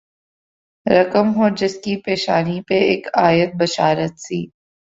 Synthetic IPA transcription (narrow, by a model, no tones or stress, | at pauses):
ɾɐkəmɦoːd͡ʒɪskipeːʃaːnipeeːkaːjət̪̚bɐʃaːɾət̪siː